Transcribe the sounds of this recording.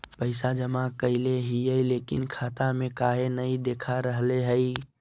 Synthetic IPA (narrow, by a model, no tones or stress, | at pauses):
pəɪsad͡ʒəmakəɪleɦiəleːkɪ̰nkʰaːt̪amẽkaːɦenəid̪eːkʰaɾəɦleɦəi